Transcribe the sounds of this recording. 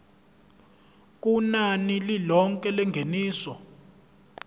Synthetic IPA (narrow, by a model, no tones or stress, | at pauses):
k̬ʼunanililɔŋkʼɛlɛŋɡʱeniːsɔ